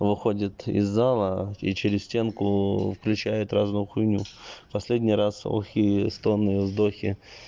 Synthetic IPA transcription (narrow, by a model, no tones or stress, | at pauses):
vɨxo̞dʲɪt̪ɪ̰zːalˠəit͡ɕɪɾʲɪsʲsʲtʲe̞nkʊfklʲʉt͡ɕæjʊt̪ɾaznʊjʊxʊjnʲupɐsʲlʲedʲnʲɪjɾaso̰xʲijəst̪o̞nːɨjəzd̪o̞xʲɪ